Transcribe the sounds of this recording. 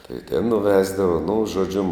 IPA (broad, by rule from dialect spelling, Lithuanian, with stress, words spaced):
tɐɪ tʲɛn nʊˈʋʲæːzdɐʋɐ nʊ ʒoːˈd͡ʒʲʊ